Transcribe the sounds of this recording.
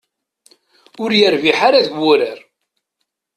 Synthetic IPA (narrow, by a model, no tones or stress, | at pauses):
ʊɾjəɾviħaɾaðɡʊɾəɾ